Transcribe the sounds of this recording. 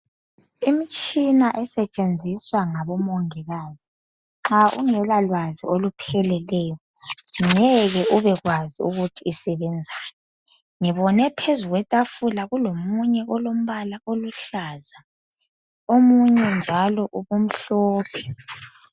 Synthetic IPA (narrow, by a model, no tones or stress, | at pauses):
imit͡ʃʼinaʔɛsɛt͡ʃʼend͡zʱiswaŋaβɔmɔŋɛɣaːzi | ŋ͡ǁaʔṵŋɛlalwaziolupʰɛlɛlɛːjɔnɛɣɛuβɛɣwaziṵɣutʰiːsɛβɛnd͡zʱajɔ | ŋiβɔnɛpʰezuɣwɛtʼafulaɣulomuɲɛʔɔlom̩βalaʔoluɬaːza | omuɲɛnd͡ʒʱalɔʔuβum̩ɬɔːpʰɛ̥